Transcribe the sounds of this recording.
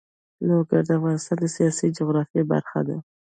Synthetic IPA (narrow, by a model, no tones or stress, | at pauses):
loɡaɾd̪əafɣɑnɪst̪ɑnd̪əsijɑsid͡ʒʊɣɾɑfjeba̰ɾxa̰d̪a